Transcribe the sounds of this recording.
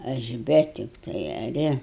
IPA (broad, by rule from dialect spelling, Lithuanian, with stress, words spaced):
ˈɐʃ ˈbʲɛ tʲɪkˈtɐɪ ɐˈrʲɪ